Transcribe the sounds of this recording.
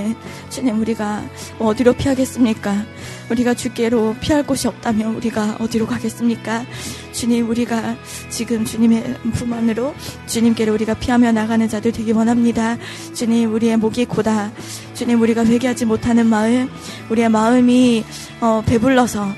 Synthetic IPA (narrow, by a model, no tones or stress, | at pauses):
ɯn | t͡ɕuɲimuɾiɡaʌdiɾopʰiɦaɡe̞s͈ɯmɲik͈a | uɾiɡat͡ɕuk͈e̞ɾopʰiɦaɭk͈oɕʰiʌp̚t͈amjʌnuɾiɡaʌdiɾokaɡe̞s͈ɯmɲik͈a | t͡ɕuɲimuɾiɡa | t͡ɕiɡɯmt͡ɕuɲime̞pumanɯɾot͡ɕuɲimk͈e̞ɾouɾiɡapʰiɦamjʌnaɡanɯnt͡ɕadɯɭtwe̞ɡimʌnɦamɲida | t͡ɕuɲimuɾie̞moɡik͈ʰoda | t͡ɕuɲimuɾiɡaɸwe̞ɡeɦad͡ʑimotʰanɯnmaɯɭ | uɾie̞maɯmi | ʌpe̞buɭːʌsʰʌ